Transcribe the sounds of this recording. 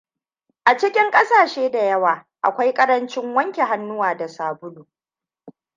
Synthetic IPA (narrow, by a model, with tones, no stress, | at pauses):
ʔa˨t͡ʃɪ˦kʲɪ˦ŋkʼɐ˦saː˨ʃeː˦da˨jɐ˦waː˨ | ʔa̰˨kʷa˦jkʼɐ˦ɾɐ˦nt͡ʃɪ˦ŋwɐ˦ŋkʲe˨ɦa˦nːʊ˦waː˨da˨saː˨bʊ˦luː˨